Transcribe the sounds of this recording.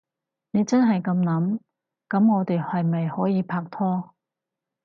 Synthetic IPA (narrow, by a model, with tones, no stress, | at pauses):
ne˨˧jt͡sɐ˥nɦɐ˨jkɐ˧mnɐ˨˥m | kɐ˨˥mŋɔː˨˧t̪e˨jhɐ˨jmɐ˨jhɔː˨˥jiː˨˧pʰaː˧k̚t̪ʰɔː˥